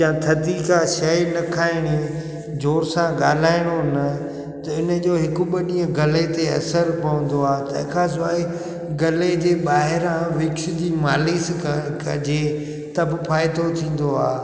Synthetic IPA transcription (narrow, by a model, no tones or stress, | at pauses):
jãːt̪ʰɐd̪ikʰãːʃɐjnɐkʰaːɪɽ̃e | d͡ʑoːɾsãɠaːl̤aːɪɽ̃onɐ | t̪ɐɪnəd͡ʑoːɦɪkʊɓəɗĩːə̃ɡɐlet̪eɐ̰səɾpɐʋə̃nd̪oaːt̪ɐ̰ɦɪkʰãs̬ʊaːi | ɡɐled͡ʑeːɓaːɦɪɾãʋɪkʃʊd͡ʑiːmaːliːskɐd͡ʑeː | t̪ɐbpʰaːɪd̪ot̪ʰĩːn̆d̪oaː